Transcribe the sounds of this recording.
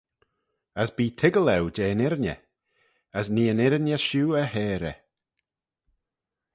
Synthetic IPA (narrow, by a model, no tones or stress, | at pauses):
əsbiːtʰɪɡəlˠɛwd͡ʒeːnɪɾnʲə̰ | əsniːənɪɾnjəʃuːəhɛːɾɛ̰